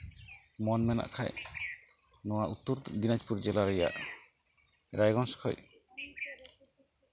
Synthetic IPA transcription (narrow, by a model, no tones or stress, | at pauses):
mɔnmɛna̰ʔkʰa̰j | nɔwaut̪ːuɾd̪inad͡ʒpuɾd͡ʒɛlaɾaja̰ʔ | ɾajɡɔnskʰɔ̰j